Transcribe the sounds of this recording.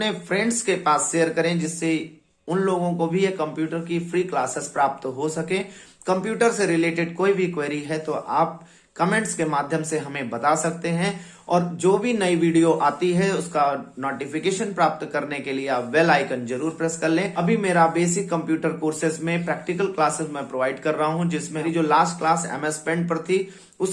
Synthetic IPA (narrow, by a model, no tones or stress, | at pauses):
nẽfʰɾɛ̃ːɳɖskepaːsʃeːəɾkɐɾẽd͡ʒɪsːe | ʊnloːɡõkobʱijekɐ̃mpjuːʈəɾkifɾiːklaːsɪspɾaːp̚t̪ɦosɐkẽːkɐ̃mpjuːʈəɾseɾɪleːʈɪɖkoːibʱikweːɾiɦɛt̪oʔaːp̚ | kɐmẽɳʈskemaːd̪ʱjəmseɦɐmẽbɐt̪asɐk̚t̪eɦɛ̃ | ɔːɾd͡ʒoːbʱinɐiʋiːɖijoʔaːt̪iɦɛʊskanɔːʈɪfɪkeːʃənpɾaːp̚t̪kɐɾnekelieaːpʋelaːɪkənd͡ʒɐɾuːɾpɾɛskɐɾlẽːʔɐbʱimeːɾabeːsɪkːɐ̃mpjuːʈəɾkoːɾsɪzmẽpɾɛːk̚ʈɪk̬əlklaːsɪzmɛ̃pɾoːʋaːɪɖkɐɾːɐɦaɦũd͡ʒɪsmẽɾid͡ʒoːlaːsʈ̚klaːsɛ̰ːmɛspɛ̃ːɳɖ̚pɐɾt̪ʰi | ʊs